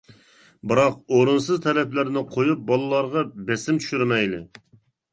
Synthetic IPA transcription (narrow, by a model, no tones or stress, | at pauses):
bɨɾɑq̚oɾunsɨzt̪ʰɛlɛplɪɾnɪqʰojup̚bɑlˠɨlˠɑɾʁɑbɛsɪmt̪ʰy̥ʃyɾmɛjlɪ̰